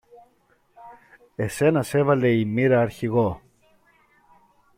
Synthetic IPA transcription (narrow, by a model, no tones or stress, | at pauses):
ese̞nɐsevɐle̞imiɾɐːɾçiɣo